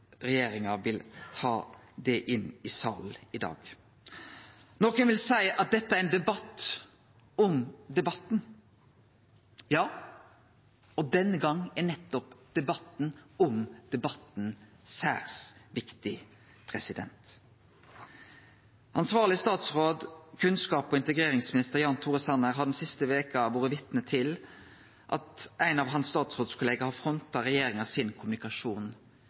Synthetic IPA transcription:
ɾɛjeːɾɪŋɑʋɪlt̪ʰɑːd̪ɛʔɪnːɪsɑ̰ːlɪd̪ɑ̰ːɡ̥ | nɔkənʋɪlsæɪəʔɑt̪̚d̪ɛt̪ːəæɾɛnd̪ɛbɑt̪ː | ɔmd̪ɛbɑt̪n̩ | jɑː | ɔd̪ɛnːəɡɑŋːænɛt̪ːɔpd̪̥ɛbɑt̪n̩ɔmd̪̥ɛbɑt̪n̩ | sæ̰ːʁsʋɪkt̪ɪ | pʰɾɛsɪd̪ɛ̰nt̪ | ʔɑnsʋɑːʁlɪst̪ɑːt̪sʁoːd̪kʰʉnskɑːpɔɪnt̪əɡɾeːɾɪŋsmɪnɪst̪əɾjɑːnt̪ʰuːʁəsɑnəɾɦɑɖ̪ɛnsɪst̪əʋeːkəɑʋoːɾəʋɪt̪nət̪ʰɪl | ʔɑ̰t̪ʔæɪnɑʋɦɑnsst̪ɑːt̪sʁoːd̪skʰʊleːɡəhɑfɾɔnt̪ɑɾɛjeːɾɪŋəsɪnkʰʊmʉnɪkɑʂuːn

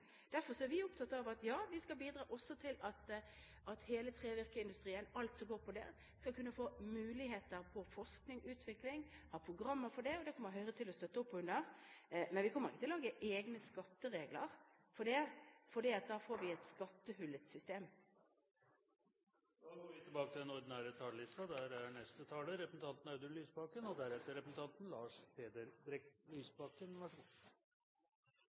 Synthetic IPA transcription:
d̪̥æɾfɔɾsɔæɾʋɪʊpt̪ʰɑt̪ːəɑʋɑt̪jɑːʋɪskɑlbiːd̪ɾɑːʔɔsːɔt̪ʰɪlɑt̪ | ʔɑt̪heːlət̪ʰʁeːʋɪʁkəɪnd̪ʉst̪ʁiːənɑlt̪sɔmɡoːɾpʰɔd̪ɛ̰ | skɑlkʉnːəfoːmʉːlɪheːt̪əʁpʰɔfɔʂknɪŋʔʉːt̪ʰʋɪklɪŋhɑːpʰʁʊɡʁɑmːəfɔɖɛɔd̪ɛkʰɔmːəɾɦœʏʁət̪ʰɪlɔst̪œt̪ːəɔpːʉnd̪əʁmɛnʋɪkʰɔmːəʁɪkːət̪ɪllɑːɡəʔeːɡnəskɑt̪ːəʁeːɡləʁ | fɔɖɛfɔɖiːɑt̪̚d̪ɑːfoːɾʋɪɛt̪skɑt̪ːəhʉlːət̪sʏst̪eːm | d̪ːɡoːɾʋɪt̪ʰːɪlbɑːkət̪ʰɪlɛnɔɾd̪ɪnæːɾət̪ʰɑːləlɪst̪ɑd̪æɾæɳɛst̪ət̪ʰɑːləɾɛpsn̩t̪ʰɑnt̪n̩ɑʉd̪əlyːsbɑkənɔd̪æɾɛt̪ːəɾɛpəsn̩t̪ʰɑnt̪nlɑːʂpʰeːd̪əɾd̪ɾɛklyːsbɑkənʋæʂʊ

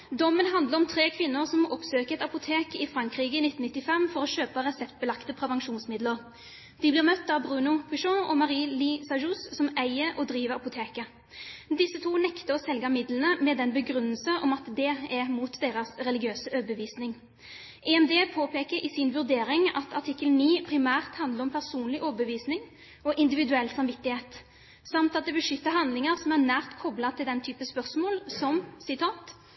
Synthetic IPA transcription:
d̪ɔmːənɦɑnd̪ləʁɔmt̪ʰɾeːkʰʋɪnːʊʁsɔmɔpsøːkəʁɛt̪ɑpʊt̪ʰeːkɪfɾɑŋkɾiːɡəɪnɪt̪ːn̩ɪt̪ːɪfɛmːfɔɾɔʃøːpəʁɛsɛpt̪̚bəlɑkt̪əpʰɾɛʋɑŋʃuːnsmɪd̪ləʁ | d̪̥ɪblɪːʁmœt̪ːɑʋbʁʉːnʊpʰʉʃɔ̃ɔmɑʁiːlisɑʒussɔmæɪəʔɔd̪ɾiːʋəɾɑpʊt̪ʰeːkə | d̪ɪsːət̪ʰuːnɛkt̪əɔsɛlɡɑmɪd̪lənəmɛd̪ɛnbəɡɾʉnːəlsənʔɔmɑt̪d̪ɛæmuːt̪d̪eːɾɑsɾɛlɪɡɪøːsəʔøːbəʋiːsnɪŋ | ʔɛɛmd̪eːpʰoːpʰeːkəɾɪsɪnʋʉʁd̪eːɾɪŋɑt̪ʰɑʈʰɪkːəlniːpʰʁɪmæːʁt̪hɑnd̪ləɾɔmpʰæʁsuːnlɪʔɔːbəʋiːsnɪŋ | ɔʔɪnd̪ɪʋɪd̪ʉɛlːsɑmʋɪt̪ːɪheːt̪ | sɑmt̪ɑt̪̚d̪ɛbəʂʏt̪ːəɦɑnd̪lɪŋəɾsɔmæʁnæːʁt̪kʰɔblɑt̪ʰɪld̪ɛnt̪ʰyːpəspœʁsmoːlsɔmsɪt̪ʰɑːt̪

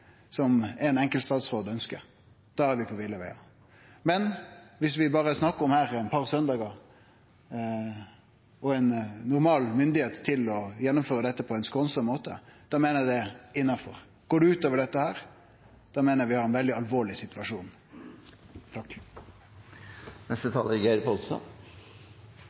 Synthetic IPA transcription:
sɔmɛnɛŋkəlt̪st̪ɑːt̪sʁoːd̪œnskə̰ | d̪̥ɑːæɾʋɪpʰɔʋɪlːəʋæɪɑ̰ | mɛnʋɪsʋɪbɑːɾəsnɑkːəɾɔmhæːɾɛɪnpʰɑʁsœnd̪ɑːɡə | ɔɛnːʊɾmɑːlmʏnd̪ɪheːt̪ʰːɪlɔjɛnːʊmføːɾəd̪ɛt̪ːəpʰɔɛɪnskɔnsəmmoːt̪ə̰d̪̥ɑmeːnəd̪ɛɪnːɑfɔ̰ʁ | ɡ̥oːɖʉʉːt̪oːʋəɖɛt̪ːəhæːɾ | d̪̥ɑːmeːnəʋɪhɑɾɛnʋɛld̪ɪɑlʋoːɭɪsɪt̪ʉʋɑʂuːn | t̪ʰɑkː | nɛst̪ət̪ʰɑːləɾɡæɪɾpʰɔlsɔ̰n

